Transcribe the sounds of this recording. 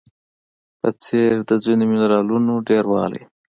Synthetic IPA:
pət͡seɾd̪əzinomɪnɾɑlunoɖeɾwɑ̰la̰j

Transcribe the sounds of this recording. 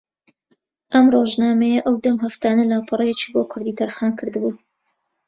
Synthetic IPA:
ʔɐmroʒnaːmejɐʔɐwd̪ɐmɦɐft̪aːnɐlapʰɨrˤɐjet͡ʃi̥ːboːkʰʊɾd̪iːt̪ʰɐɾxaːnkʰɨɾd̪ɨbuː

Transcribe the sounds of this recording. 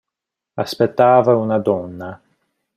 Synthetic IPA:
aspet̪ːaːvaunad̪ɔnːa

